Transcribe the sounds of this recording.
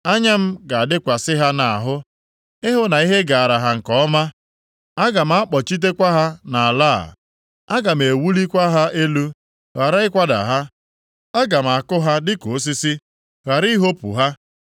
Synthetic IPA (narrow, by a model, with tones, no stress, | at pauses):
a˦ɲa˦m̩˦ɡa˨a˨dɪ˦kʷa˨sɪ˦ɦa˦na˨a˨ɦʊ˦ | ɪ˦ɦʊ˦na˨i˦ɦe˦ɡa˨a˨ɾa˨ɦa˨ŋ̩˨kɔ˦ɔ˦ma˦ | a˦ɡa˨m̩˦a˦k͡pɔ˨t͡ʃi˦t̬e˦kʷa˦ɦa˦na˨a˨la̰ː˦˨ | a˦ɡa˨m̩˨e˨wu˦li˦kʷa˦ɦa˦ʔe˦lu˦ | ɣa˨ɾa˦ɪ˦kʷa˦da̰˨ɦa˦ | a˦ɡa˨m̩˨a˨kʊ˦ɦa˦dɪ˦ko˨˦s̬i˦si˦ | ɣa˨ɾi˦ɦo˦pṵ˨ɦa˦